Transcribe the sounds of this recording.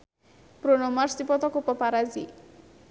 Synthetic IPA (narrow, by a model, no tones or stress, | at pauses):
pɾonɔmaɾsipɔt̪ɔkopɔpaɾazḭ